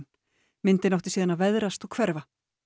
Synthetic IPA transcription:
n | mɪnt̪ɪnawht̪ɪsiːðanaðvɛðɾast̪ɔɣkʰvɛɾva

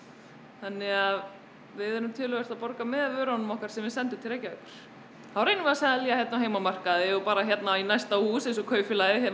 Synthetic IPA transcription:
θanːɪɣað | vɪðɛɾʏmt̪ʰʏːlʏvɛɾ̥t̪apɔɾkamɛðavœːɾanʏmɔhkaɾ̥sɛmvɪðsɛnt̪ʏmt̪ʰɪleːjcːaœkʏɾ̥ | θawɾejnɪmvɛɾasaðaliːajɛt̪naɦeːjmamar̥kaðɛʏpaːɾaçjɛt̪nainajst̪ahuːsẽjnsɔkʰœːɥfɪlaɪçɛ

